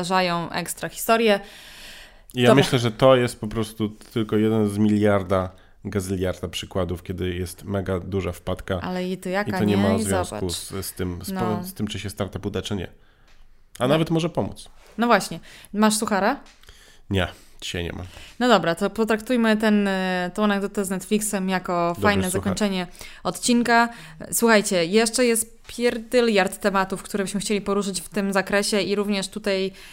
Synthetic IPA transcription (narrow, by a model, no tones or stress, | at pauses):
aʐajɔ̃w̃ʔɛ̰kst̪ɾaxʲi̥st̪ɔɾjɛ | ijamɘɕlɛʐɛt̪ɔjɛst̪̚pɔpɾɔst̪ut̪ʰɘlkɔjɛd̪ɛnzmʲilʲjaɾd̪a | ɡazlʲjaɾd̪apʂɘkwad̪ufkʲɛd̪ɘjɛst̪mɛɡad̪uʐafpat̪kaʔa̰lɛit̪ɪjakit̪ɔɲɛmaɾɔzzvʲj̃sakusst̪ɘmsnɔst̪ɘmt͡ʂɘɕɛst̪aɾt̪apud̪ɛt͡ʂɨɲɛ̰ | anavɛt̪mɔʐɛpɔmṵt̪s | nɔvwaɕɲɛmaʂsuxaɾa | ɲɛ̰d͡ʑi̥ɕa̰jɲɛ̰ma̰nɔd̪ɔbɾat̪ɔpɔt̪ɾakt̪ujmɘt̪ɛnt̪ɔ̃w̃naɡd̪ɔt̪ɛznɛt̪flʲiksɛmjakɔdfajnɛzakɔ̃t͡ʂɛɲɛɔt̪t͡ɕinka | swuxajt͡ɕɛjɛʂt͡ʂɛjɛst̪ | pʲjɛɾd̪ɘljaɾt̪ːɛmat̪ufkt̪uɾɛbɘɕmɘxt͡ɕelʲipɔɾuʂɘt͡ɕft̪ɘmzakɾɛɕɛiɾuvɲɛʂt̪ut̪aj